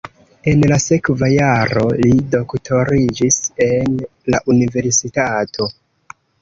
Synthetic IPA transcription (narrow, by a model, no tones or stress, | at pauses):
e̞nlase̞kvajaɾo̞lido̞ktʰo̞ɾid͡ʒise̞nlaʔunive̞ɾsitatʰo̞